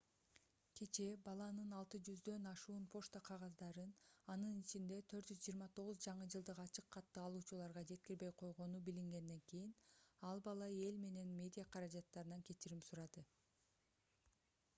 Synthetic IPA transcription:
kʲʰe̞t͡ʃe̞bɑlˠɑnɯnɑlˠt̪ɯd͡ʒyzd̪ø̞nɑʃuːnpʰo̞ʃt̪aqʰɑʁɑzd̪ɑɾɯnɑnɯnit͡ʃind̪e̞t̪ʰø̞ɾt̪d͡ʒyzd͡ʒiːɾmɑt̪ʰo̞ʁuzd͡ʒɑɴɯd͡ʒɯlˠd̪ɯqɑt͡ʃɯqʰːɑt̪ːɯːlˠuːt͡ʃulˠɑɾʁɑd͡ʒe̞t̪̚kiɾbe̞jqʰo̞jʁo̞nubiliŋɡe̞nd̪e̞ŋkijinɑlˠbɑlˠɑe̞lme̞ne̞nmʲe̞dʲijaqʰɑɾɑd͡ʒɑt̪ːɑɾɯnɑŋkʲe̞t͡ʃiɾimpsuɾɑd̪ɯ

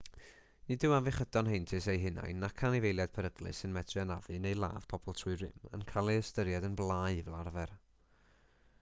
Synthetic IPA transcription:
nidɪwavɪχədɔnɦejntʰɨsejɦɪna̰jnːakʰanivejlˠjad̥̚pʰɛɾəɡ̥lˠɨ̰sɨnmɛdʰrɨanaðɨnejlˠa̰ːv̥pʰɔb̥ɔlˠtʰrʊɨrɪmə̰nkʰalˠiəstəɾjadənblˠaːɨvɛlˠarvɛr

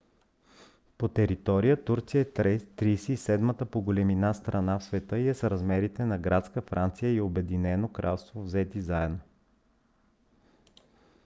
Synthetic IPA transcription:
pot̪ɛɾit̪ɔɾijət̪uɾt̪sijəɛt̪ɾisiːsɛd̪mət̪əpoɡolɛminast̪ɾɐnafsvɛt̪ɤiɛsɾɐzmɛɾit̪ɛnɐɡɾat̪skəfɾʔant̪sijəiobɛd̪inɛnokɾʔa̰lˠst̪vovzɛt̪izaɛd̪no

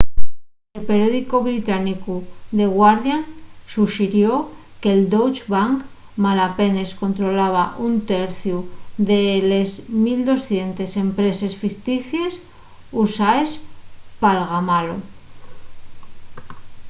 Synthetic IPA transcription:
elpe̞ɾjo̞ðikoβɾit̪anikud̪e̞ɣwaɾðjansuʃiɾjo̞ | keld̪owt͡ʃβaŋk | malape̞ne̞sko̞nt̪ɾo̞laβ̞aʔunt̪e̞ɾθjud̪e̞le̞zmild̪o̞sθje̞nt̪e̞se̞mpɾe̞se̞sfikt̪iθje̞s | usaespalɣamalo

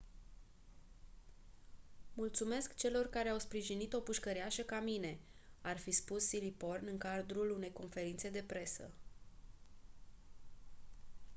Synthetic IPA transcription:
mult̪sume̞skt͡ʃe̞lo̞rkaɾe̞awspɾiʒinit̪o̞puʃkəɾeaʃəkamine̞arfispusːilipo̞rnɨŋkad̪ɾulune̞jko̞nfe̞ɾint̪se̞d̪e̞pɾe̞sə̰

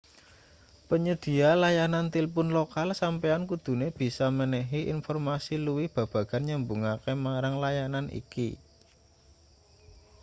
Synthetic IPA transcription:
pəɲəd̪̥i̤alajanant̪ilpʊnlokalsampeankud̪̥ṳneb̥i̤samənɛɦiʔḭnfɔrmasiluwɪhb̥a̤b̥ä̤ɡ̥a̤nɲəmbuŋakemaɾaŋlajananʔḭki

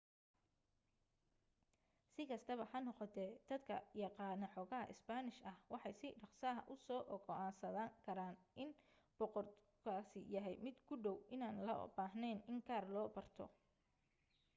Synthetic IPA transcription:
sɪkʰɐst̪ʰɐβɐħɑnɔqɔt̪ʰɛːd̪̥ɐd̪kʰɐjɑqɑːnɐħɔːɣɐɦɐ̰ʔɪ̰sbanɪʃɐhwɑħɑjsɪɖɑqsɐɦɐ̰ʔʊsɔːʔɔɡɔʔaːnsɐðaːŋkʰɐɾaːnʔɪn | b̥ɔqɔrt̪ | kʰaːsɪjɐɦɛjmɪd̪kʰʊɖɔwʔɪnaːnlɐ̰baːɦnɛːnɪŋkʰaːrlɔːbɐrt̪ʰɔ̰

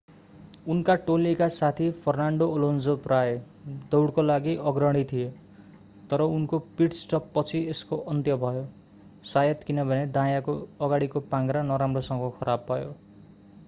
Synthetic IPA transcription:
unkaʈolikasat̪ʰipʰʌrnaɳɖoːlond͡zopraj | d̪ʌwɽkolaɡiʌɡrʌɽ̃it̪ʰije | t̪ʌɾʌunkopiʈsʈʌpːʌt͡sʰieskoʔʌnt̪jʌbʱʌjo | sajʌt̪kinʌbʱʌned̪ãjakoʌɡaɽikopãŋɡɾanʌɾamrosʌŋɡʌkʰʌɾabːʱʌjo̰

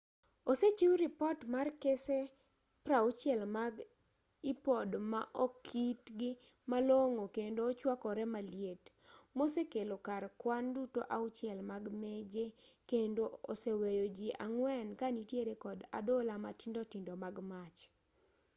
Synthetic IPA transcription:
oset͡ʃiwɾɪpɔtmarkese | pɾaut͡ʃjɛlmaɡ | ipɔdmaʔɔkkʰitɡɪ | maloŋokendoːt͡ʃwakɔɾɛmaljet | mosekelokarkwandutoʔaʊt͡ʃjɛlmaɡmed͡ʒekendoosewejod͡ʒiʔa̰ŋwɛnkanitjeɾekɔda̰d̪olamatɪndɔtɪndomaɡmat͡ʃ

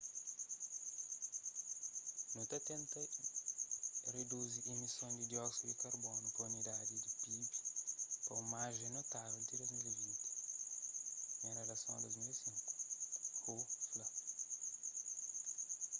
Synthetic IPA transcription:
nũt̪ɐt̪ẽnt̪ɐ | red̪uziʔemisõnd̪id̪jɔsuikaɾbonukɐunid̪ad̪id̪ipipi̥pɐũmaʒẽnot̪avɛlt̪id̪ozmilezit̪i̥ | ẽɾelɐsõ̰d̪ozmilesĩŋku̥hoflɐ

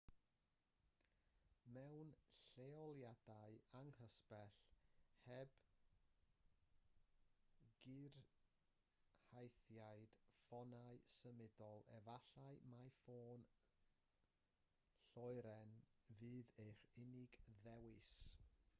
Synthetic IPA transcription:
mɛwnɬeɔlˠjadaɨaŋhəspɛɬhɛb̥ | ɡ̥ɪr | hajθjaɨd̥fɔnaɨsəmɪdɔlˠɛ̰vaɬaɨmajfoːn | ɬɔɨɾɛnvɨːðejχɪnɪɡðɛwɪs

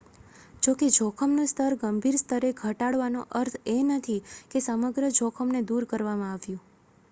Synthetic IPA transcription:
d͡ʒoked͡ʒʱokʰəmnũst̪ʰəɾɡəmbʱiɾst̪ʰəɾeɡʱəʈaɽʋanoʔəɾt̪ʰenət̪ʰikesəməɡɾəd͡ʒʱokʰəmned̪uɾkəɾʋamãaʋjũ

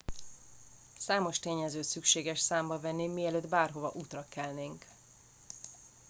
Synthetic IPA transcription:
saːmo̞ʃt̪eːɲɛzøːt̪sykʃeːɡɛʃsaːmbɒvɛnːimiɛløːd̪baːrɦo̞vɒʔuːt̪rɒkɛlneːŋk

